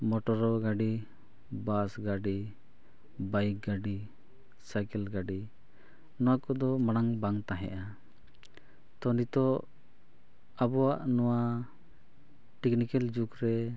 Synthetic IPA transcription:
mɔʈɔɾɔɡaɖi | basɡaɖi | bajk̚ɡaɖi | sajkɛlɡaɖi | nɔwakɔd̪ɔmaɽ̃aŋbaŋt̪aɦɛ̰ʔa | t̪ɔnit̪ɔ | abɔwaʔnɔwa | ʈɛknikɛld͡ʒukɾɛ

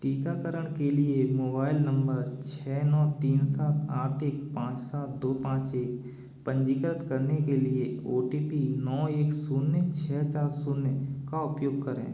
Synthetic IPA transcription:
ʈiːkakəɾəɽ̃keliemoːbaːɪlnə̃mbəɾt͡ʃʰɛːnɔːt̪iːnsaːt̪ʰaːʈʰeːkpãːt͡ʃsaːt̪̚d̪oːpãːt͡ʃeːk̚ | pə̃ɲd͡ʒiːkəɾət̪kəɾnekelieoːʈiːpinɔːeːksuːnːet͡ʃʰɛːt͡ʃaːɾsuːnːekaʊpjoːɡ̚kəɾḛ̃ː

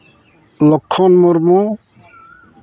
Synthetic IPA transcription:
lɔkʰːɔnmoɾmu

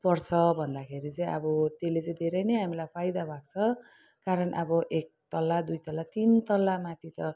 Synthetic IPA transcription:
pʌrt͡sʰʌbʱʌnd̪akʰeɾit͡sʌj̃ʌ̰bʌt̪elet͡sʌĩd̪ʱeɾʌjnʌjɦamilajpʰajd̪abʱak̚t͡sʰʌ | kaɾʌnʔʌbʌʔek̚t̪ʌlːad̪ujt̪ʌlːat̪int̪ʌlːamat̪ʰit̪ʌ

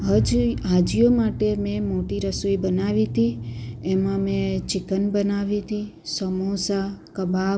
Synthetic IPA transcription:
d͡ʒɦad͡ʒijomaʈemẽmoʈiɾəsuibənaʋit̪iemãmẽt͡ʃɪkənbənaʋit̪i | səmosakəba

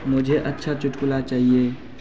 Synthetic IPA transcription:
mʊd͡ʒʱeʔɐtːʃʰat͡ʃʊʈkʊlat͡ʃaːɦieː

